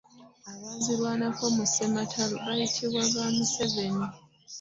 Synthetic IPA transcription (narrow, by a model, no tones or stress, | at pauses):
aβaziɾwanafo̞muse̞matʰaloβajitʰiβwaβaːmuse̞βe̞ni